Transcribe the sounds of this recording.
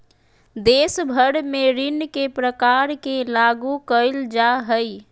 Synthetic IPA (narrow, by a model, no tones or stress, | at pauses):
d̪esbʱəɽmeɾinkepɾəkaɾkelaɡukəɪld͡ʒaɦəj